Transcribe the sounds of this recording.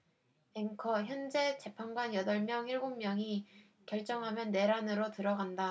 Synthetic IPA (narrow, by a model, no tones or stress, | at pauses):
eŋkʰʌçjʌnd͡ʑe̞t͡ɕe̞pʰanɡwanjʌdʌɭmjʌŋiɭɡommjʌŋi | kjʌɭt͡ɕ͈ʌŋɦamjʌnːe̞ɾanɯɾotɯɾʌɡanda